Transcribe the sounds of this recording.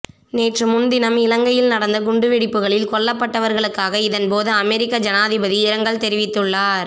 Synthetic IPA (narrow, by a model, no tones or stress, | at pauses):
neːʈrɯmʊnd̪ɪnɐmɪlɐŋɡɐjɪlnɐɽɐnd̪ɐɡʊɳɖɯʋɪɽɪpːɯɣɐɭɪlkɔɭːɐpːɐʈːɐʋɐɾɣɐɭɯkːaːɣɐɪðɐnpoːðɯɐmɛɾɪkːɐd͡ʒɐnaːðɪbɐðiɪɾɐŋɡɐɭt̪ɛɾɪʋɪt̪ːɯɭːaːɾ